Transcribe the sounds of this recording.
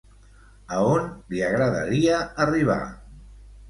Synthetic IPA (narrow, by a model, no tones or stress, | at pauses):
əonliəɣɾəðə̰ɾiəːriβ̞a̰